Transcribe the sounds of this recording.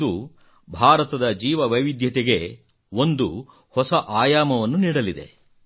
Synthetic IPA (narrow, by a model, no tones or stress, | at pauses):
u | bʱaːɾɐt̪ɐd̪ɐd͡ʒiːʋɐʋɐjʋid̪jɐt̪eɡe̞ | o̞nd̪u | hɔsɐʔaːjaːmɐʋɐnːuniːɽɐlid̪e̞̰